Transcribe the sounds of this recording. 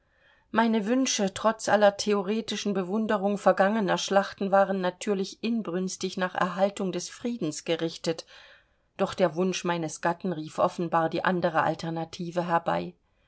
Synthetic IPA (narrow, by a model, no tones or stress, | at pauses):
maɪnəvʏnʃətʁ̥ɔt͡sʔa̰lɐtʰeoʁeːtɪʃn̩bəvʊndəʁ̞ʊŋfɛɐɡaŋənɐʃlaχtn̩vaːʁənːatʰyːɐlɪçʔɪnbʁʏnstɪçnaːχʔɛ̰ɐɦaltʊŋdɛsfʁ̥iːdn̩sɡ̥əʁɪçtət | d̥ɔχd̥eːɐvʊnʃmaɪnəsɡ̥atn̩ʁiːfʔɔfn̩baːɐdiːʔandəʁəʔa̰ltʰɛɐnatʰiːvəɦɛɐba̰ɪ